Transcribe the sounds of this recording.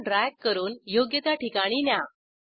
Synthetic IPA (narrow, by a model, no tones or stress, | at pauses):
ɖɾakkːəɾuːnjoɡjət̪aʈikaɽ̃inja